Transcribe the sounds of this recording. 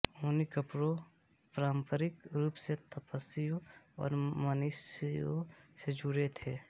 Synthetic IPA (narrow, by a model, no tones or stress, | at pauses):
oːnikəpɾo | pɾaːmpɾɪkɾuːpset̪əpəsijõ | ɔ̰ːɾmənɪʃõ | sed͡ʒʊɽet̪ʰeː